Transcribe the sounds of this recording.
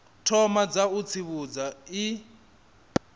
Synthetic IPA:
tʰɔmad͡zaut͡sʰiβud͡zai

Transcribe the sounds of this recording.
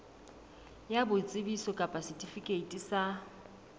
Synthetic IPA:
jabʊt͡sʼɪbisɔkʼapʼasitʼifikʼeitʼisa

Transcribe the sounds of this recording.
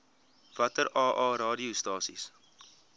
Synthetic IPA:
v̥ɐtəɾɑːʔɑːɾɑːdiustɑːsḭs

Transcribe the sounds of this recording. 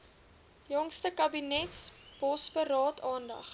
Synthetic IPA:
jɔŋstəkɐbinɛtsb̥ɔsbəɾɑːtʰɑːndɐ̰χ

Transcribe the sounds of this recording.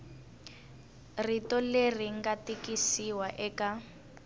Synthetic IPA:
ritɔler̤iŋɡatikisiwaʔɛka

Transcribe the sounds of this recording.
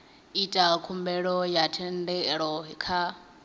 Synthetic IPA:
itʼakʰumbɛɺɔjatʰɛndɛɺɔɦɛkʰa

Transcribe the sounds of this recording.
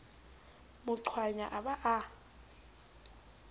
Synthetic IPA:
mʊǀʰwaɲaʔaɓaʔa

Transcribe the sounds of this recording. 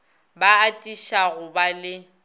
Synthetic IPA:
baatʼiʃaɣʊbalɪ

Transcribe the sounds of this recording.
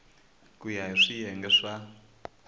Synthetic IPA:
kujaiʂijɛŋɡɛʂa

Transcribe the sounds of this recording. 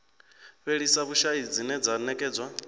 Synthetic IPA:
βeɺisaβuʃaid͡zinɛd͡zanɛkʼɛːd͡zwa

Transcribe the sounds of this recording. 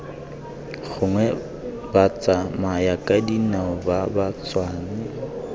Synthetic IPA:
ɣʊŋwɛ | bat͡sʼamajakʼadinaʊbabat͡sʼwaːnɪ

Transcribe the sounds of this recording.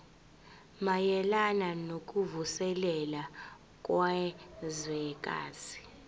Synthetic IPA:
majɛlananokʼuvusɛlɛla | kʼwazɛkʼa̰ːzi̥

